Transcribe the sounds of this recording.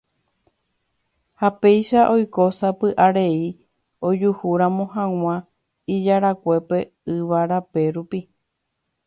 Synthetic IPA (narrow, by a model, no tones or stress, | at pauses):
hape̞jʃaʔo̞jko̞sapɨʔaɾe̞i | o̞d͡ʒuhuɾãmõ̞hãw̃ã | id͡ʒaɾakʷe̞pe̞ | ɨʋaɾape̞ɾupi